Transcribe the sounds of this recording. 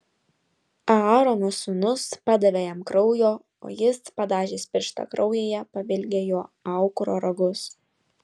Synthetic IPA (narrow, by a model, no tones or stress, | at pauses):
ɑɑːɾoːnʊsʊnʊspɑd̪ɐʋʲejɛmkɾɒʊjoː | o̰ːjɪspɐd̪ɑːʒʲeːsʲpʲɪɾʃt̪ɐ̰kɾʔɒʊjeːjɛpɐʋʲɪlʲɡʲejoːɐˑʊkɾoːɾɐɡʊs